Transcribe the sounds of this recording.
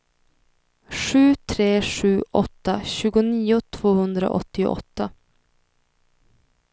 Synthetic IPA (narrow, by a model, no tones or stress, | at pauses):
ʂʉ̟ːt̪ʰɾeːʂʉ̟ːʔɔt̪ːaɕʉ̟ːɡʊniːʊt̪ʰv̥oːhɵnd̪ɾa̰ʔɔ̰t̪ːɪʔɔ̰t̪ːa